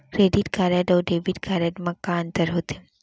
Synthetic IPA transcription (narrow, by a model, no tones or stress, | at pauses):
kɾeɖiʈkaɾaɖɔɖeʋiʈkaɾaɖmãkãənt̪əɾɦot̪e